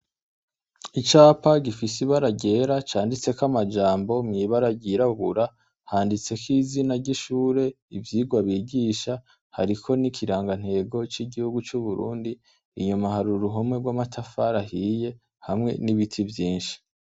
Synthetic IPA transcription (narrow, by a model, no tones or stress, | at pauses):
it͡ʃaːpaɟifisiβaɾaɟe̞ːɾat͡ʃaːndit͡se̞kamad͡ʒaːmbo̞mŋiːβaɾaɟiɾaɡuɾa | haːndit͡se̞kiːzinaɾɟiʃuːɾe̞ | ivjiːɡwaβiːɟiːʃa | ha̰ɾikʰo̞nikʰiɾaːŋɡan̥he̞ːɡo̞t͡ʃiɟihuɡut͡ʃuβuɾṵːndiː | ɲumahaɾuɾuɦomŋe̞ɡwaːmatʰafaɾahiːje̞ | hamŋe̞̰niβitʰivjiːnʃi̥